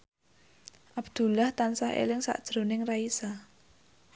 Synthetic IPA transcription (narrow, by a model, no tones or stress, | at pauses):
ʔabd̪̥ṳlaht̪ansahḛlɪŋsa̰ʔd̥ʒ̥ɾo̤nɪŋraisa